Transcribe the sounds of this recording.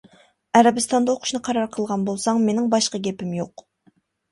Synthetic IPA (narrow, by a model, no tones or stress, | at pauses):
æɾɛbɨst̪ɑnd̪ɑoqʰʊ̥ʃnɨqʰɑɾɑɾqʰəlˠʁɑnbolˠsɑŋmenɪŋbɑʃqɑɡʲɛpɪmjoq